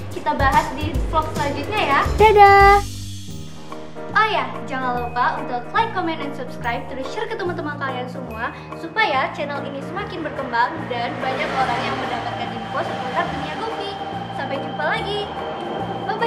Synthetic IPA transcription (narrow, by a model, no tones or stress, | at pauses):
kit̪abaɦat̪̚diklɔk̚səlaɲd͡ʒut̪̚ɲajadada | ʔaja | d͡ʒaŋanləpaunt̪ʊklajkːɔmɛndɛnsupskɾajp̚t̪ənəʃərkət̪əmat̪əmankaliansəmua | supajat͡ʃɛnəlinisəmakɪnbərkəmbaŋdanbaɲakoɾaŋjjaŋməndapat̪̚kandidikosaət̪ak̚d̪əniaɡofi | sambaɲəpalaɡi | bab